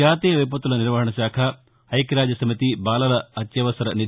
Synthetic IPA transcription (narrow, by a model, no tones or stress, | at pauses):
aːt̪eːʋɐjp̬ɐt̪ːulɐniɾʋɐɦɐɳɐʃaːkʰɐ | ɐjkɾaːd͡ʒɐsɐmit̪ibaːlɐlɐɐt̪jɐʋɐsɐɾɐni